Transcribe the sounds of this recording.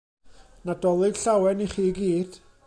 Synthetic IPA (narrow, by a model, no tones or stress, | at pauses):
nadɔlˠɨd̥ɬawɛniχiːɡiːd̥